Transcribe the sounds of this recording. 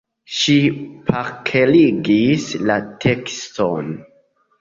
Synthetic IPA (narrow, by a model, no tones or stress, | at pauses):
ʃipʰakʰeliɡislatʰeksto̰n